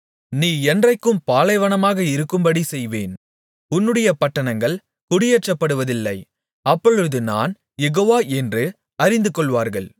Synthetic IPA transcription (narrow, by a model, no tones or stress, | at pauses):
niːɛndrɐɪkːɯmpaːlɐɪʋɐɳɐmaːɣɐɪɾɯkːɯmbɐɽisɛjʋeːn | ʊnːɯɽɐjɐpɐʈːɐɳɐŋɡɐɭ | kʊɽɪjɛt͡ʃːɐpːɐɽɯʋɐðɪlːɐɪ | ɐpːɔɻɯðɯna̰ːn | jɛɣoːʋaːʔɛndrɯ | ɐɾɪnd̪ɯkɔɭʋaːɾɣɐɭ